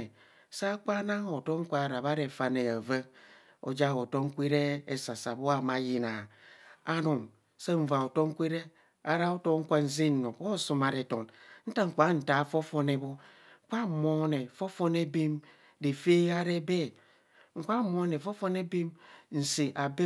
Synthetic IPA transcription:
e˨ | sa˦k͡pa˦na˦ŋo˨to˦ŋ̩˦kʷa˦˨ɾa˨βa˦ɾe˨fa˦ne˨a˨və˦ | o̰˨d͡ʒa˦˨o˨to˦ŋ̩˦kʷi˦ɾe˦e˦˨sa˨sa˨bo˦a˦˨ma˨˦ji˨na˨a˦nu˨m | se˦ɱ̩˨va˨o˨to˦ŋ̩˦kʷi˦ɾe˦ | a˨ɾa˦o˦to˦ŋ̩˦kʷa˦n̩˦zi˦n˨no˨o˦˨su˦ma˨ɾe˨to˨nn̩˦ta˦ŋ̩˨ka˨˦n̩˨ta˨fo˦fo˦ne˦bo˦ | ŋ̩˨kʷa˦˨mo˨˦ne˨fo˦fo˦ne˦bi˦m | di˨fe˦a˦ɾe˦be˦˨ | ŋ̩˨kʷa˦mo˨˦ne˨fo˦fo˦ne˦bi˦mn̩˨si˨ʔa˨be˦

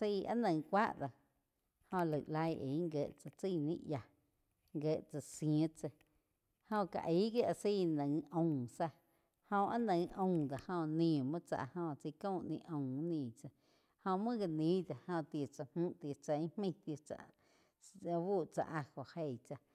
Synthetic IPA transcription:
si˦˧a̰˦nə̃˧ŋkʷa˦ʔd̪a˧ | hõ˧lə˨ʔla˧jʔḛ˨˦ŋɡe˧˨ʔt͡sa˧t͡si˦˧˨nĩ˦ʔja˧ | ŋɡe˧˨ʔt͡sa˧sjt͡se˧ | hõ˧ka̰˨ʔi˦ɡe˦ʔa˧si˦˧nə̃˨ŋõ˧˨sa˧ | hõ˧ʔa˦nə̃˧ŋʔõ˧˨d̪a˨hõ˧nĩː˧˨mɨ̃˦t͡sa̰˧ʔhõ˧t͡sə˧kõ˦˨ʔnḭ̃˧ʔõ˧˨˦nĩː˧˨t͡sa˧ | hõ˧mɨ̃˦ɡa˧nĩ˨˦d̪a˨hõ˧t̪e˨t͡sa˧hũ˦ʔt̪e˨t͡sa˧˨ĩ˦hmĩ˦˧t̪jt͡sa̰˧ʔ | buː˦˨t͡sa̰˧ʔa˧ho˨he˧˨t͡sa˧

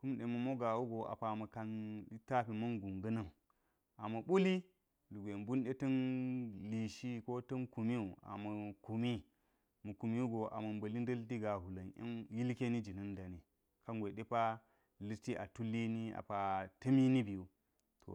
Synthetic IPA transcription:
ku˦mɗe˨mɐ˨mo˦ɡa˨wu˦ɡo˨ʔa̰˨pa˨mɐ˨ka˨ni˦ta˦pi˨mɐ˦nɡu˨ŋɡɐ˦nɐ˦ŋ | a˨mɐ˨ɓu˦li˦ | lu˨ɡʷe˨mbu˦nɗe˦tɐ˦nli˨ʃi˦ko˦tɐ˦nku˨mi˦u˨a̰˨mɐ˨ku˨mi˦ | mu˨ku˨mi˦u˦ɡo˨ʔa̰˨mɐ˨mbɐ˨li˦n˦dɐ˦ldi˦ɡa˨hu˨lɐ˨na̰˦nji˦lke˦ni˦d͡ʒi˨nɐ˦nda˨ni˨ | ka˦ŋɡʷe˨ɗe˦pa˦ | li˦ti˦ʔa̰˨tu˦lːi˦ni˦a̰˨pa˨tɐ˦mi˦ni˦bi˨u˨ | tʰo̰˨

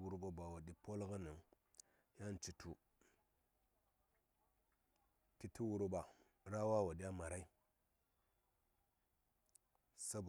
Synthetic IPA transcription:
wu˦˨ɾbo˦ba˨wo˨ɗi˨po˦lɣə˦nə˨ŋ | ja˦n˦t͡ʃi˨tʰu˨ | ti˦ti˦wu˦ɾu˦ɓa˨ | ɾa˦wa˦wa˨ɗi˦ja˦ma˨ɾa˦i˦ | sa˦b

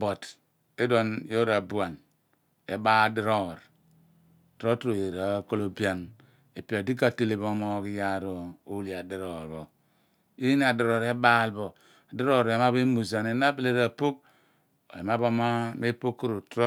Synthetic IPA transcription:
bo˨t | e˦do˦njo˦ɾa˨bu˨a˨n | ḛ˨ba˦˨di˦ɾo˦˨ɾ | to˦tɾo˨e˨ɾa˨˦ko˦lo˨bi˦a˦n | e˨pi˨a˨di˦ka˦˨te˦le˨bo˦mo˦˨ki˦ja˦ɾo˨o˦li˨a˨di˨ɾo˨ɾbo˨ | i˦ni˦a˨di˨ɾo˨ɾe˦ba˦˨lbo˨ | a˨di˦ɾo˦˨ɾe˨ma˦be˦mu˨za˨ne˨˦na˦be˦le˦ɾa˨po˦k̚ | o̰˨ḛ˨ma˦bo˦ma˦me˦po˦kːu˦ɾo˨tɾo˦

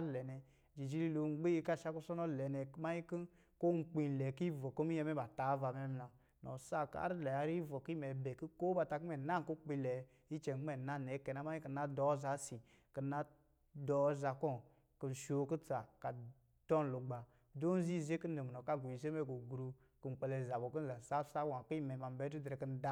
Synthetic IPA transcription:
lɛ˨nɛ˨ | d͡ʒi˨d͡ʒi˦li˦lo˨ŋ͡mɡ͡be˦ji˧ka˦˨ʃa˦ku˦sɔ˦nɔ˦˨lɛ˨nɛ˨˦ma˦ji˦ki˦ | ko˦ŋ͡m̩˦k͡pi˧n˨lɛ˨ki˦vɔ˨ko˦mi˦jɛ˧mɛ˦ba˨ta˨˦va˨˧mɛ˦m˦la˨ | nɔ̰˨sa˦˨ka̰˦ɾi˦lɛ˨a˨˦ɾi˦vɔ˨ki˦mɛ˨bɛ˨ki˦ko˦ba˧˨ta˧ki˦mɛ˨na˦ŋko˦k͡pi˧lɛ˨˦ | i˦t͡ʃɛ˨˦ɛ˨na˦˨nɛ˨˦kɛ˨na˨˦ma˦i˦ki˦˨na˦dɔ˨˦za˨˦si˨ | ki˨na˦ | dɔ˨˦za˨kɔ˦ | kɨ˨n˨ʃo˨˦ku˦t͡sa˨ka˨ | tɔ˦n˨lo˨ɡ͡ba˨ | do˦n˦zi˦˨ze˦ki˦n̩˦e˨m˨nɔ˨ka˦ɡu˨i˨ze˦mɛ˦˨ɡo˨ɡɾu˧ | kɨ˨ŋ͡m̩˨k͡pɛ˧˨lɛ˨za˨bɔ˨ku˦˨a˨sa˦sa˦wa˨ki˦i˦mɛ˨ma˨m˦bɛ˨˦du˦dɾɛ˨kɨ˦n̩˦da˦

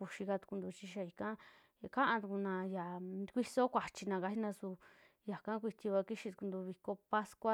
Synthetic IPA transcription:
u˧ʃi˧ka˧t̪u̥˧ku˧nd̪u˧t͡ʃi˧ʃa˧i˨˧kã˦˧ | kã˦ʔã˧t̪u˧ku˧nã˧ja˨˧kʷi˦so˦kʷa˨t͡ʃi˧nã˧ka˧hi˦nã˧su˧ | ja˨kã˦k̬ʷi˧t̪ʲi˧βa˧ki˦ʃi˧t̪u̥˧ku˧nd̪u˧βi˧ko˧pa˦skʷa˦

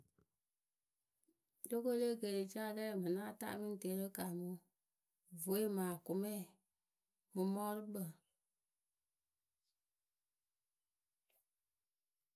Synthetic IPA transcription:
lo˦ko˦le˦˨ɡe˨ɾi˨t͡ʃa˦lɛ˦˨mɨ̃˨nã˦˨ta̰˦˨˦mĩ˦n˦˨te˨˦ɾə˦ka˨mũ˦ | vo˨˦e˦mãː˨ku˨mɛ̃˦˨ | mɨ̃˨mɔ˦ɾɨ˦ɓə˨

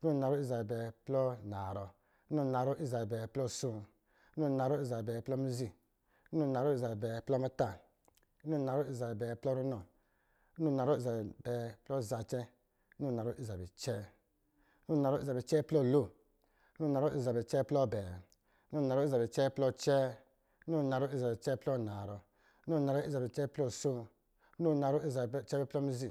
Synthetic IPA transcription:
u˦˨na˨ɾɔ˦i˦za˨bɛ˨bɛ˨plɔ˦na˨ɾɔ˧˦ | nu˦˨na˨ɾɔ˦ʔi˦za˨bɛ˨bɛ˨plɔ˦˨sũ˧˦˨ | nu˦˨na˨ɾɔ˦i˦za˨bɛ˨bɛ˨plɔ˦m˦u˦zi˧˦ | u˦˨na˨ɾɔ˦i˦za˨bɛ˨bɛ˨plɔ˦ma˦ta˦˨˦ | no˦˨na˨ɾɔ˦i˦˨za˨bɛ˨bɛ˨plɔ˦ɾu˦nɔ˨˦ | nu˦˨na˨ɾɔ˦i˦za˨bɛ˨bɛ˨plɔ˦˨za˧t͡ʃɛ˦ | no˦˨na˨ɾo˦ʔi˦za˨bɛ̰˨t͡ʃɛː˦ | no˦˨na˨ɾo˦i˦za˨bɛ˨t͡ʃɛ˦plɔ˦˨lo˦˨˦ | no˦˨na˨ɾɔ˦ʔi˦za˨bɛ˨t͡ʃɛ˦plɔ˦˨bɛ˨˦ | no˦˨na˨ɾɔ˦i˦za˨bɛ˨t͡ʃɛ˦plɔ˧t͡ʃɛ˦ | no˦˨na˨ɾo˦i˦za˨bɛ˨t͡ʃɛ˦plɔ˦˨na˨ɾɔ˧˦ | no˦˨na˨ɾɔ˦i˦za˨bɛ˨t͡ʃɛ˦plɔ˦˨so˦ | no˦˨na˨ɾo˦i˦za˨bt͡ʃɛ˦bɛ˧˦plɔ˦mi˧˦zi˦˨

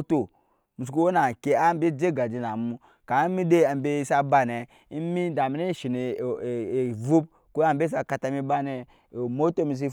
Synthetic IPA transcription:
to˨ | mu˨s̬ku˦wo˦na˨ke˦a˦m˦be˦d͡ʒe˦ɡa˨d͡ʒi˨na˨mu˦ | ka˨˦mi˦de˦a˨m˨be˦i˦sa˦ba˦˨ne˨ | i˦mi˦da˨mi˨ne˦ʃi˨ne˨vu˦b̚ | ku˦a˨m˦be˦s̬a˦ka˦ta˦mi˦ba˦ne˨ | mo˦to˦mi˨s̬i˦

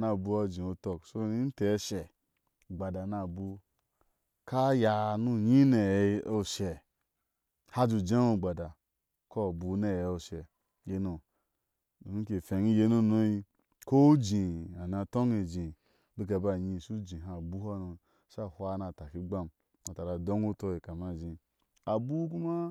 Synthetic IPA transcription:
na˧˨bu˧˦a˧d͡ʒĩ˨o˧to˧kso˦i˦n̩˦te˨˦ʃe˨ | ɡ͡ba˨da˨na˧˨bu˧ | ka˦ja˧nu˦ɲi˦ne˨˦o˦˨ʃe˨ | ha˦d͡ʒu˧d͡ʒe˦o˦˨ɡ͡ba˨da˨ | ko˦˨bu˧ne˦jo˧ʃe˨ | je˧no˨ | ni˦ke˨fe˨ɲi˦je˧˦nu˦˨no˦ji˧ | ko˦d͡ʒĩ˨a˨na˧to˦ŋe˨d͡ʒĩ˨ | bi˦k̬a˧˦ba˧˨ɲĩ˧˨ʃu˦d͡ʒĩ˨ɦa˨bu˦ha˦no˧ | ʃa˦˨hʷa˧˦na˧˨ta˨ki˦ɡ͡ba˦m | a˨ta˨ɾa˨do˦ŋu˦to˧ji˨ka˨ma˦˨d͡ʒĩ˨ | a˨bu˦ku˦ma˦

